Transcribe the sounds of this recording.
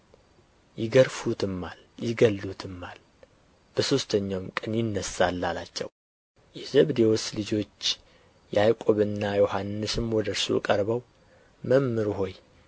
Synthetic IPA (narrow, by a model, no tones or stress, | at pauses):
jɪɡəɾfut̪ʰɨmːal | jɪɡəlːut̪ʰɨmːal | b̥əso̞st̪ʰəɲːawmkʼɨnjɪnːəsalːalat͡ʃːɛ̰w | jɛzəβd̪ewoslɨd͡ʒo̞t͡ʃː | jɛajkʼo̞βɨnːajo̞hanːɨsɨmwɔd̪əɾsṵkʼəɾbəw | məmːɨɾɦo̞j